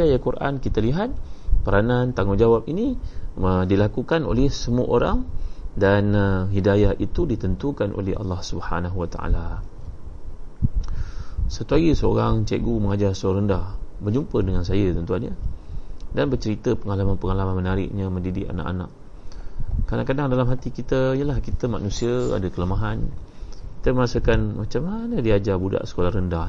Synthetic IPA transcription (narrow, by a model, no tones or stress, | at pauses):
ajakuɾʔa̰nkit̪aliɦat̪̚pəɾanant̪aŋond͡ʒawap̚iniədilakukano̰lɛhsəmuəʔoɾa̰ŋdanɦidajahʔit̪udit̪ənt̪ukanʔo̰lɛɦa̰lːɑhsubha̰naɦuwat̪a̰ʔa̰la | sat̪uaɡisəo̰ɾaŋt͡ʃḛʔɡuməŋad͡ʒarsəaɾəndahbərd͡ʒumpədəŋans̬ajət̪ənt̪uanɲə | danbərt͡ʃəɾit̪əpəŋalamanpəŋalamanmənaɾɪ̰ʔɲaməndidɪ̰ʔa̰na̰ʔa̰na̰ʔ | kadaŋkadaŋdalamɦat̪ikit̪əijəlahkit̪əma̰ʔnũsiəa̰dakələmaɦanki̥t̪əməɾasəkanmat͡ʃamːanədiad͡ʒabuda̰ʔsə̥kolahrəndah